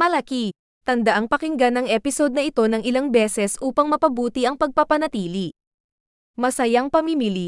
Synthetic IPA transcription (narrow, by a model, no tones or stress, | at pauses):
mɐlɐki | t̪ɐnd̪ɐʔaŋpɐkɪŋɡanːɐŋʔɛpɪso̞d̪nɐʔɪt̪o̞nɐŋɪlaŋbɛːsɛsʔuːpɐŋmɐpɐbuːt̪iʔɐŋpɐɡ̚pɐpɐnɐt̪iːli | mɐsɐjaŋpɐmimili